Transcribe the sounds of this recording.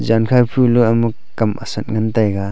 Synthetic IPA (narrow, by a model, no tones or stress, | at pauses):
zankʰajpʰuluɐmu | kɐmʔɐ̰sɐt̚ŋɐntajɡa